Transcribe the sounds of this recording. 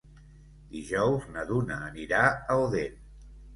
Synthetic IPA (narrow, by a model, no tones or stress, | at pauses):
d̪iʒɔwznəðunəːniɾaəoðen